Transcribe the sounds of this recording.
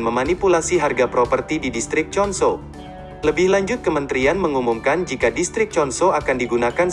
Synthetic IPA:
nməmanipulasiɦarɡapɾɔpərt̪ididist̪ɾɪk̚t͡ʃɔnso | ləbɪhlaɲd͡ʒʊt̪̚kəmənt̪ɾianməŋumumkand͡ʒikadist̪ɾɪk̚t͡ʃɔnsoakandiɡunakan

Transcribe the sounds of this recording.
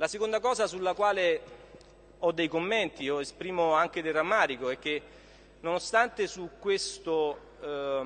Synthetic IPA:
lasekond̪akɔːzasulːakwaːle | ɔd̪ːejkomːent̪ioespɾiːmoaŋk̟ed̪eramːaːɾikoɛk̟ːe | nonost̪ant̪esukːwest̪o

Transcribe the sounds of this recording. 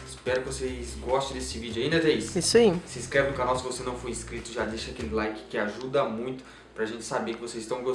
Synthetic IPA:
spɛɾʊkɪvosezɡɔst̪ẽd̪esɪvid͡ʒʊaĩnd̪ɐt̪ɛisʊ̥isaisɪiskɾɛvɪ̃ʊ̃kanawsɪvosenɐ̃w̃fojiskɾit̪ʊʒad̪eʃɐakelɪlajkɪ̥kɪaʒud̪ɐmũj̃t̪ʊ̥ | pɾɐaʒẽnt͡ʃɪ̥sabekɪvosezɪst̪ɐ̃w̃ɡo

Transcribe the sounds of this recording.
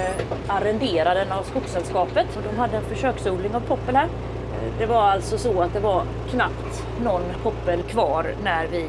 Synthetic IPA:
aɾɛnd̪eːɾad̪ənavskʊksɛlskɑːpət̪ɔd̪ɔmɦad̪ːəɛnfœʂøːksuːlɪŋavpʰɔpːəlhæːɾ | d̪ɛvaɾalt̪sɔsɔat̪̚d̪ɛvaɾ | kʰnapt̪ | nɔnːpʰɔpːəlkʰvɑːɾnæɾvɪ

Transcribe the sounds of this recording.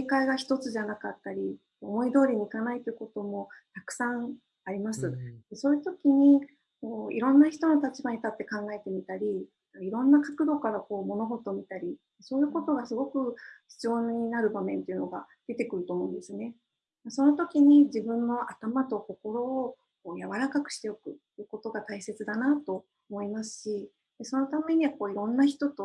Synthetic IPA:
ekaiɡaçi̥t̪o̞t͡sɨʑanakat̪ːaɾʲi | omo̞id̪o̞ːɾʲiɲ̟iikanait̪ːejɯ̟kot̪o̞mo̞t̪akɯ̟̥sãɰ | aɾʲimasɨd̪̥e̞so̞ːjɯ̟t̪o̞kʲiɲ̟i | ko̞ːḭɾõ̞nːaçi̥t̪o̞no̞t̪at͡ɕibaɲ̟it̪at̪ːe̞kãŋɡae̞t̪e̞mʲit̪aɾʲid̪akaiɾõ̞nːakḁkɯ̟d̪o̞kaɾako̞ːmo̞no̞ɦo̞t̪o̞mʲit̪aɾʲi | so̞ːjɯ̟ːko̞t̪o̞ɡasɨɡo̞kɯ̟çi̥t͡sɨo̞ːinaɾɯ̟bamẽ̞nt̪e̞iɯ̟no̞ɡa̰d̪̥e̞t̪e̞kɯ̟ɾɯ̟t̪o̞ːmo̞ɯ̟̃nd̪esɨne̞ | maso̞no̞t̪o̞kʲiɲ̟id͡ʑibɯ̟̃nːo̞ʔat̪amat̪o̞ko̞ko̞ɾo̞ː | ko̞ːjaβaɾakakɯ̟̥ɕi̥t̪e̞o̞kɯ̟ | ɯːko̞t̪o̞ɡat̪aise̞t͡sɨd̪anat̪o̞ | omo̞imasɨ̥ɕi | d̪eso̞no̞t̪ame̞ɲ̟iβako̞ːiɾõ̞nːaçi̥t̪o̞t̪o̞

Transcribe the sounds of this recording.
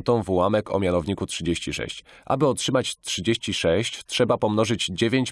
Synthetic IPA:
nt̪ɔ̃w̃vwamɛkɔ̰mʲjanɔvɲikutʂɘd͡ʑeɕt͡ɕiʂɛ̰ɕt͡ɕʔa̰bɘɔtʂɘmat͡ɕtʂɘd͡ʑeɕt͡ɕiʂɛɕt͡ɕtʂɛbapɔmn̪ɔʐɘd͡ʑd͡ʑevʲjeɲt͡ɕ

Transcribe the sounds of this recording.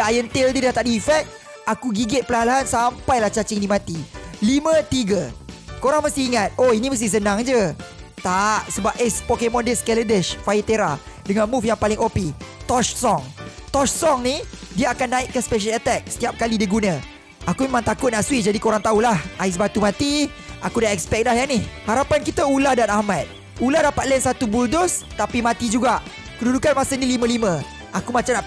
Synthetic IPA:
ajənt̪eldidaht̪aʔdifɛk̚t̪̚ | akuɡiɡɪt̪̚pəlalaɦansampajlaht͡ʃat͡ʃɪŋdimãt̪ilimə̃t̪iɡəkoɾaŋməst̪ihiŋat̪̚oinĩməs̬t̪ɪhs̬ənãŋd͡ʒət̪aʔsəbap̚ɛspokemɔ̃ndəskɛlədɛʃfajit̪eɾa | dəŋãnmufjaŋpalɪŋopit̪ɔt͡ʃsɔŋt̪ɔt͡ʃsɔŋnidiaakanːaiʔkəspeʃ̬ələt̪ɛk̚sə̥t̪iap̚kalidiɡunə̃ | ʔakumemãŋt̪akʊt̪̚naʔsuid͡ʒadikoɾaŋt̪aulahʔais̬bat̪umãt̪i | ʔakudaɛk̚spɛk̚lahjanihhaɾapankit̪aulahdanahmat̪̚ | ulahdapat̪̚lɛnsat̪ubuldʊst̪apimãt̪id͡ʒuɡaʔ | kədudukanmasənilimə̃limə̃ | ʔakumat͡ʃamna

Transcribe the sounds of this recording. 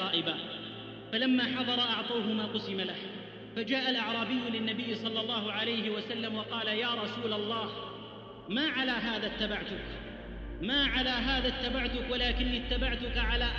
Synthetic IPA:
ɑːʔɪba | falamːaːħɑðˤɑɾˤɑʔɑʕt̪ˤɑːɦʊmaːqʊsɪmalah | fad͡ʒaːʔalʔɑʕɾˤɑːbɪjːʊlɪnːabɪjːsˤɑlːɑlˤːɑːɦʊʕalajɦɪwasalːamwɑqɑːlajaːɾˤɑsuːlalˤːɑːh | maːʕalaːɦaːðaːt̪ːabaʕt̪ʊk | maːʕalaːɦaːðat̪ːabaʕt̪ʊkwalaːkɪnːit̪ːabaʕt̪ʊkaʕalaːʔ

